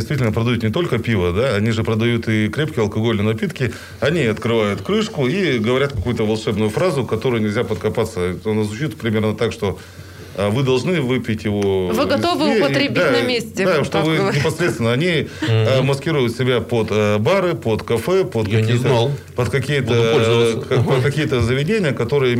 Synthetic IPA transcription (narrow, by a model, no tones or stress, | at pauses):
ɪst̪vʲit̪ʲɪlnəpɾəd̪ɐjut̪nʲɪt̪o̞lʲkəpʲivəd̪aɐnʲiʐɨpɾəd̪ɐjut̪ɪkɾʲep̚kʲɪjɐlˠkɐɡo̞lʲnəjnɐpʲit̪kʲɪ | ɐnʲiɐt̪kɾɨvajʊt̪kɾɨʂkʊiɡəvɐɾʲat̪̚kɐkujʊt̪əvɐlˠʂɛbnʊjʊfɾazʊkɐt̪o̞ɾʊjʊnʲɪlʲzʲapət̪̚kɐpat̪sːət̪nɐzvʊt͡ɕit̪pɾʲɪmʲe̞rnət̪akʂt̪o̞ | əvɨd̪ɐlˠʐnɨvɨpʲɪtʲjɪvovɨɡɐt̪ovɨepəɾʲɪbdʲianɐmʲesʲtʲɪd̪aʂt̪ovɨnʲɪpɐsɾʲet̪st̪ʲɪnəɐnʲi | mɐskʲiɾʊjʊt̪sʲɪbʲapod̪əbaɾɨpot̪kɐfɛpot̪kɐkʲijt̪pət̪kɐkʲijət̪əlʲpət̪kɐkʲijət̪əzəvʲɪdʲenʲɪjəkɐt̪o̞ɾɨjə